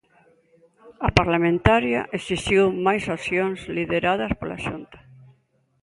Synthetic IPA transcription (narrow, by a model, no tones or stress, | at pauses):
apaɾlamẽnt̪aɾja̰ʔesiʃiwmajsaθjoŋsliðeɾað̞ɐspola̰ʃunt̪ḁ